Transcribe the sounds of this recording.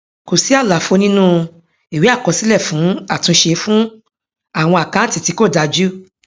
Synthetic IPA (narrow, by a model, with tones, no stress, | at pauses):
ko˨si˨˦a˦˨la˨fo˧nĩ˦nũ˦ | i˨wi˦a˦˨kɔ˧si˦lɛ˦˨fũ˨˦a˦˨tũ˧ʃe˧fũ˦ | a˦˨w̃ɔ̃˧a˨kã˨˦n̩˦tĩ˦˨ti˨˧˦ko˦˨da˧d͡ʒu˦